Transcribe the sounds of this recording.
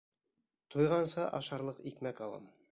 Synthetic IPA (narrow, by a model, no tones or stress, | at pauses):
t̪ʰujʁɑnsɤʔɑ̰ʃɑɾlˠɤqikmækɑlˠɑ̰m